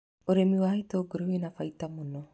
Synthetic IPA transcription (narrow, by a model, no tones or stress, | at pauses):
oɾemiwait̪oɡoɾewenafait̪amuno